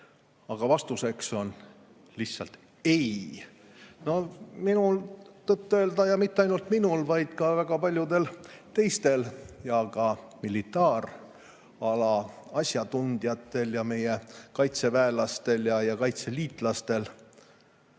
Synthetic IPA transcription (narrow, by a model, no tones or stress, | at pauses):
ɑɡ̥ɑvɑst̪use̞kso̞n | lisːɑ̰lt̪ | e̞j | no̞minult̪ɤt̪ːø̞ːld̪ɑjɑmit̪ːeɑjnult̪minulvɑjd̪̥kɑvæɡ̥ɑpɑlʲjud̪e̞lt̪e̞jst̪e̞ljɑkɑmilit̪ːˑɑːɾ | ɑlɑɑsʲjɑt̪und̪̥jɑt̪ːˑe̞ljɑme̞jekɑjt̪se̞væelɑst̪e̞ljɑjɑkɑjt̪se̞liːt̪ˑlɑst̪e̞l